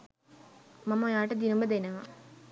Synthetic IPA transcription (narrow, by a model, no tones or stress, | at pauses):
mamːɐojaːʈɐd̪inumbəd̪enɐʋa